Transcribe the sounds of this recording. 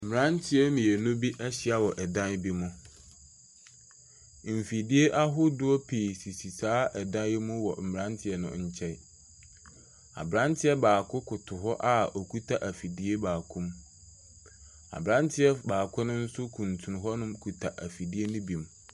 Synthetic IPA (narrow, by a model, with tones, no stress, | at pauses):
m̩˨m˨ɾã˦ntʰɪ˦ɛ˦mĩ˨e˨nʊ̃˦bi˦ʔɛ˦ɕɪ˦a˦˨wɔ˨ʔɛ˨dã˦n˦bi˦mʊ̃˦ | m̩˨fi˨di˦e˦ʔa˦ɦʊ˦dʊ˦ɔ˦pʰi˨si˨si˨saː˦ʔɛ˨dã˦mʊ̃˦wɔ˨m̩˨m˨ɾã˦ntʰɪ˨ɛ˨nʊ̰̃˦ɲ̩˦t͡ɕʰɛ˦˨ | a̰˨bɾã˦ntʰɪ˦ɛ˦baː˨kʰʊ˦kʰʊ˨tʰʊ˨ɦɔ˦ʔa˦o˨kʰu˦tʰa˦˨ʔa˨fi˨di˦e˦baː˨kʰũ˦m | a̰˨bɾã˦ntʰɪ˦ɛ˦baː˨kʰʊ˦nʊ̃˦n̩˦sʊ˦kʰũ˨ntʰũ˨n˨ɦɔ˦nʊ̃˦mkʰu˨tʰa˨ʔa˨fi˨di˦e˦nʊ̃˦bĩ˨m